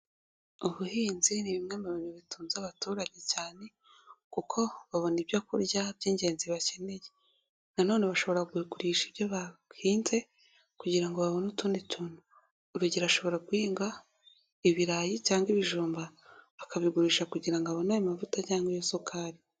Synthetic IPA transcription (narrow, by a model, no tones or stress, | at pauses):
uβuhiːnziniβimŋemaβinuβituːnzaβatuːɾaɟe̞caːne̞ | kukʰo̞βaβo̞nibjokuɾɟabɟiːɲɟe̞ːnziβace̞ne̞je | nano̞ːneβaʃo̞βo̞ɾaɡwiɡuɾiːʃiβjoβahiːnze̞ | kuɟiɾaŋɡo̞βaβo̞nutuːnditunuː | ɾuɟiɾaʃo̞βo̞ɾaɡwiːŋɡa | iβiɾajicaːŋɡiβiʒuːmbaβakaβiɡuɾiːʃakuɟiɾaŋɡoaβonajomavutaɟaːŋɡwijosokʰaːɾi